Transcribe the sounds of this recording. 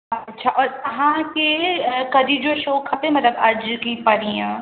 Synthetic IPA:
ɐtːʃʰaːʔɔːɾɦãːkekɐd̪ʱid͡ʒoʃoːkʰɐp̪ɦɛ̃mɐt̪ləbɐd͡ʒkipɐɾijãː

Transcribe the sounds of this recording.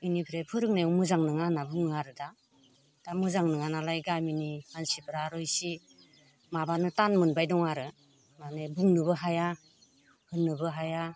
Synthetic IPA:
ɯjnipʰiɾepʰɯɾɯk̚najumuzaŋnɯŋanabuŋaɾɯda | d̥amɯzaŋnɯŋanalajɡaminihansipʰɾaɾɔjsi | mabanɯtanmɯnbajdɔŋaɾɯ | nanebuŋnɯbɯɦaja | hɯnːɯbɯɦaja

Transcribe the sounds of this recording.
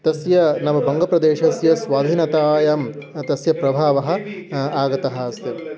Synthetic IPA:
t̪ɐsjɐnɐmɐbɐŋɡɐpɾɐd̪eːʃɐsjɐsʋaːd̪ʱiːnɐt̪aːjɐm | t̪ɐsjɐpɾɐbʱaːʋɐɦɐ̆ | aːɡɐt̪ɐɦɐsɐ

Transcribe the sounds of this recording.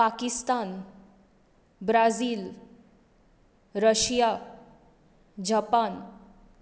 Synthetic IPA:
pakist̪an | bɾad͡ziːl | ɾəɕja | d͡ʑapan

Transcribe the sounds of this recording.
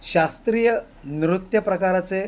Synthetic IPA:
ɕast̪ɾiːjə | nɾut̪jəpɾəkaɾat͡se

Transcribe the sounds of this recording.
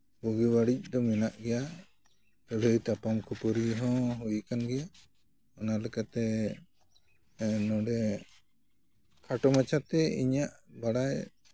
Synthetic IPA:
buɡibaɽic̚ˀd̪ɔmɛnaʔɡɛja | t̪ɔɾəjt̪apamkʰupɔɾiɦɔ̃ɦujkanɡɛja | ɔnalɛkat̪ɛ | nɔɖɛ | kʰaʈɔmat͡ʃat̪ɛḭɲaʔbaɽaj

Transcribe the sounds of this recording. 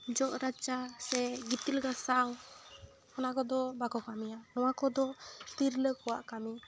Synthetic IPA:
d͡ʒɔʔɾat͡ʃasɛɡit̪ilɡasaw | ɔnakɔd̪ɔbakɔkamijanɔwakɔd̪ɔt̪iɾləkɔwa̰ʔkami

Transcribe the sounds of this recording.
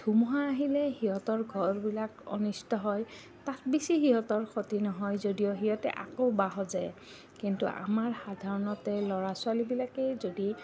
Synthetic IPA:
dʱumuɦaːɦilɛhiɦɔtɔɹɡʱɔɹbilakɔ̰nistɔɦɔj | tat̚bisiɦiɦɔtɔɹxʰotinɔɦɔjzodijɔɦiɦɔtɛ̰ʔakowbaɦɔzaj | kintṵʔa̰maɹxadʱaɹɔnɔtɛlɔɹasʊalibilakɛzodi

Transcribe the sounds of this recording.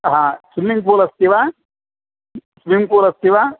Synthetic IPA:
ɦãːsumiŋk̬uːlɐst̪iʋa | sumiŋkuːlɐst̪iʋaː

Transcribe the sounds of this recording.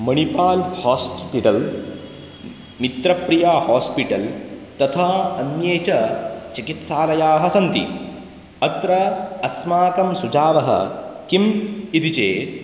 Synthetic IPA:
mɐɳipaːlhaːspiʈɐl | mit̪ɾɐpɾijaːhaːspiʈɐlt̪ɐt̪ʰaɐnjeːt͡ʃɐt͡ʃikit̪saːlɐjaːɦɐsɐnt̪ḭ | ɐt̪ɾɐɐsmaːkɐmsud͡ʒaːʋɐɦɐ̰kimit̪it͡ʃeː

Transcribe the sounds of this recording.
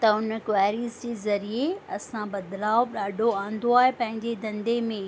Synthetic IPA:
t̪ɐʊnəkwaːɾizd͡ʑeːzɐɾieɐsãbɐd̪laːoɗaːɖʱoãːnd̪oaːɦepɐ̃ɦɪ̃ɲd͡ʑed̪ɐ̃nd̪emẽ

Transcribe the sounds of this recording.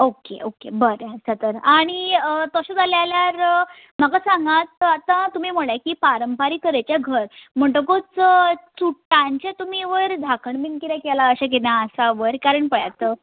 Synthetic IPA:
okḛʔokḛbəɾjasat̪əɾaɽ̃iət̪əɕad͡zaljaljaɾə | m̤akasãŋɡat̪at̪ãt̪um̤im̤əɭjakiːpaɾəmpaɾiːk̪əɾat͡ɕjaɡʱəɾm̤əɳʈəkot͡sət͡suʈːãɲt͡ɕẽt̪umiʋəɾd̪ʱakʰəɳbinkiɾakɛlaəɕak̬enaəsaʋəɾkaɾəɳpəɭja̰t̪ə

